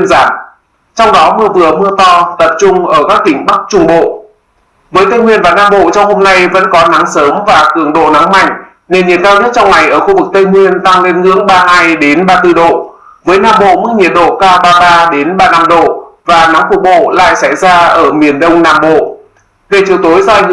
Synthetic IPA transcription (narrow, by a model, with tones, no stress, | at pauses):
i˧nzaː˧˩m | t͡ɕɔ˧wŋ͡mɗɔ˨˦mɨ˧əvɨ˨˩əmɨ˧ət̪ɔ˧t̪ə˨˩p̚t͡ɕʊ˧ŋ͡mʔəː˧˩kaː˦˥k̚t̪ï˧˩ŋ̟ɓa˦˥k̚t͡ɕʊ˧ŋ͡mɓo̰˧˨ | vəː˨˦jt̪ə˧jŋwi˧ənvaː˨˩naː˧mɓo̰˧˨t͡ɕɔ˧wŋ͡mho˧mna˧jvə̰˧˥nkɔ˨˦na˨˦ŋsəː˨˦mvaː˨˩kɨ˧˩əŋɗo̰˧˨na˨˦ŋma̰˧˨jŋ̟ | ne˨˩nɲi˨˩ət̚kaː˧wɲə˦˥t̚t͡ɕɔ˧wŋ͡mŋa˨˩jʔəː˧˩xu˧vɨ˨˩k̚t̪ə˧jŋwi˧ənt̪a˧ŋle˧nŋɨ̰˧˥əŋɓaː˧ɦaː˧jɗe˨˦nɓaː˧t̪ɨ˧ɗo̰˧˨ | vəː˨˦jnaː˧˩mɓo̰˧˨mɨ˦˥ŋi˨˩ət̚ɗo̰˧˨kaː˧wɓaː˧ɓaː˧ɗe˨˦nɓaː˧na˧mɗo̰˧˨vaː˨˩na˨˦ŋxfʊ˨˩k̚ɓo̰˧˨la̰ː˧˨jsa˧˩jzaː˧ʔəː˧˩mi˨˩ənɗə˧wŋ͡mnaː˧mɓo̰˧˨ | ve˧˩t͡ɕi˨˩əwt̪o˨˦jzɔ˧˨˩ŋ